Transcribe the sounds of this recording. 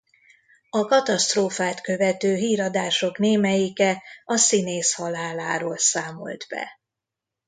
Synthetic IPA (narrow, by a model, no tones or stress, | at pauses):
ɒkɒt̪ɒst̪roːfaːt̪kø̞vɛt̪øːɦiːɾɒd̪aːʃo̞kneːmɛjikɛɒsineːshɒlaːlaːɾoːlsaːmo̞̰ld̪bɛ̰